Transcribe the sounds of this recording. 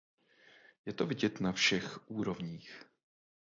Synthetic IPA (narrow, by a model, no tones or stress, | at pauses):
jɛt̪ovɪɟɛt̪nafʃɛxʔuːɾo̞vɲiːx